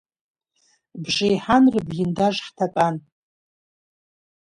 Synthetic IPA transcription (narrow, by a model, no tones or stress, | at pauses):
bʒɪjħanrɨbɡʲɪndaʒħtʰapʼan